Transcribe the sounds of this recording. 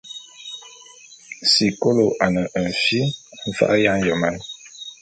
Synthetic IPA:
si˨ko˦lo˨ʔa˨nə˨ʔə˨n˨fi˦ɱ̩˦fa̰˦ʔja˦ŋ˦jə˨ma˦n

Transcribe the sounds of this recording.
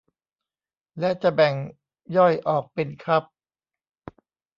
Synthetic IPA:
lɛ˦˥ʔt͡ɕa˨˩bɛ˨˩ŋ | jɔ˥˩jʔɔː˨˩k̚pe˧nkʰɾa˦˥p̚

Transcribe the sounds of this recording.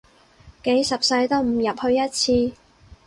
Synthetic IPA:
ke˨˥jsɐ˨p̚sɐ˧jt̪o˥wm̩˨˩jɐ˨˩p̚hɵ˧ɥjɐ˥t̚t͡sʰiː˧

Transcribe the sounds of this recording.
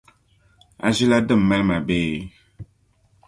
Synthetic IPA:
a̰˨zi˦la˦dɨ˦˨m̩˨mɛ˦lma˨beː˦

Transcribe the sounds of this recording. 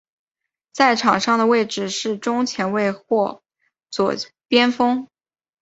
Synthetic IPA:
t͡sa˥˩ɪʈ͡ʂʰɑ˨˩ŋʂɑ˥˩ŋd̪ə˩we˥˩ɪʈ͡ʂɻ̩˥˩ʂɻ̩˥˩ʈ͡ʂʊ˥ŋt͡ɕʰjɛ˧˥nwe˥˧ɪxwɔ˥˧ | t͡swɔ̰˨˩ | pjɛ˥nfɤ˥ŋ

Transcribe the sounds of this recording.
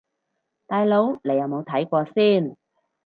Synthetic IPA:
t̪aː˨˧jlo˨˧wnle˨˩jɐ˨wmo˨˧wt̪ʰɐ˨˥jkʷɔː˧siː˥˩n

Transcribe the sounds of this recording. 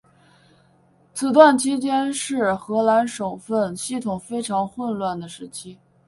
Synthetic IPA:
t͡sʰɹ̩˧˩t̪wa˥˩nt͡ɕʰi˥t͡ɕjɛ˥nʂɻ̩˥˩xɤ˧˥la˧˥nʂo˨˩ʊfə˥˧nɕi˥˩t̪ʰʊ˨˩ŋfe˥ɪʈ͡ʂʰɑ˧˥ŋxwə˥˧nlwa˥˩nd̪ə˩ʂɻ̩˧˥t͡ɕʰi˥

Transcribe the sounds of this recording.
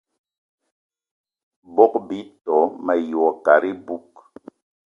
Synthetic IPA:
bɔ˦k̚bi˨˦tɔ˨˦mɛ˨jɔ˨ka˨ɾi˦bu˦k

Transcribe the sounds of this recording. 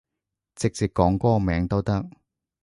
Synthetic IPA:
t͡sɪ˨k̚t͡siː˨k̚ːɔː˨˥ŋkɔː˥mɛː˨˥ŋt̪o˥wt̪ɐ˥k̚

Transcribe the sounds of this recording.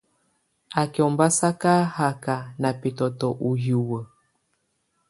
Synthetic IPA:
a˨kɔ˨mba˦sa˦ka˦ha˨ka˨na˨pi˨tɔ˨tɔ˨ʔu˨ɦju˨wə˨

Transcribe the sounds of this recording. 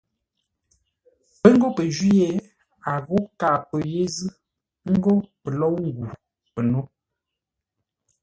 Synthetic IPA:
pə˦ŋ̩˦ɡo˦pə˨d͡ʒi˦e˨ | a˨ɣo˦ka˨pə˨je˦zɨ˦ | ŋ̩˦ɡo˦pə˨lɔ˦wŋ̩˦ɡu˨ | pə˨no˦

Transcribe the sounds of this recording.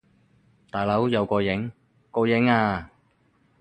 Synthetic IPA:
t̪aː˨˩jlɐ˨˥wjɐ˨˧wkɔː˧jɪ˨˥ŋ | kɔː˧jɪ˨˥ŋaː˧

